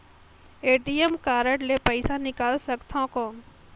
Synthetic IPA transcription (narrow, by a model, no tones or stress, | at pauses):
eːʈiemkaːɾəʈlepəɪsanɪkaːlsɐɡt̪ʰãkoːn